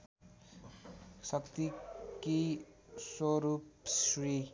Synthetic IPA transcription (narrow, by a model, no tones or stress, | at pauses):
sʌkt̪ikiswoɾupsri